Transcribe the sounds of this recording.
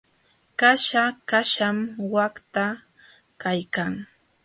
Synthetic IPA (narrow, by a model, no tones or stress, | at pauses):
kaʃakaʃamwakt̪a | kajkaŋ